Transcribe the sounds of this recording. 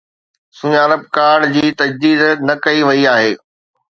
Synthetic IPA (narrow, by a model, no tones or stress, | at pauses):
sʊ̃ɲaːɾəb̚kaːɖd͡ʑiːt̪ɐd͡ʑd̪iːd̪nɐkɐiʋɐiaːɦeː